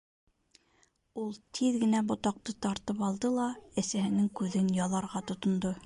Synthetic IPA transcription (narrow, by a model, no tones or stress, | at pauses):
ulˠt̪ʰiðɡɘ̆næbŏt̪ɑq̚t̪ɤt̪ɑɾt̪ɤpɑlˠd̪ɤlˠɑæsæhɘ̆nɘŋkʉðɘnjɑlˠɑɾʁɑt̪ŏt̪ŏnd̪o